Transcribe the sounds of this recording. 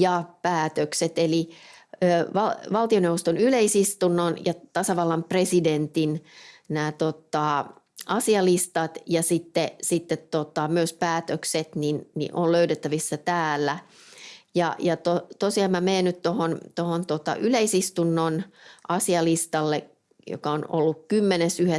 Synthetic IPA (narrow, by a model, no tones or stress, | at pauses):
jɑpæːt̪økset̪eliøːʋɑʋɑlt̪ionewʋost̪onyleisist̪unːonjɑt̪ɑsɑʋɑlːɑmpresident̪innæːt̪ot̪ːˑɑ | ʔɑsiɑlist̪ɑt̪jɑsit̪ːesit̪ːet̪tot̪ɑmyøspæːt̪økset̪ninnḭʔolløytet̪ːæʋisːæt̪æːlːæ | jɑ̰jɑt̪ot̪osiɑmmæmeːnnyt̪t̪ohont̪ohont̪ot̪ɑ̰ʔyleisist̪unːonʔɑsiɑlist̪ɑlːe | jo̰kɑono̰lːukkymːenesyhe